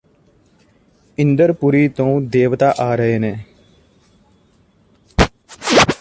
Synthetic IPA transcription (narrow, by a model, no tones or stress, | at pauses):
ɪ̃nd̪əɾpʊɾiːt̪õːd̪eːʋt̪aːʔaːɾəɦeːnẽː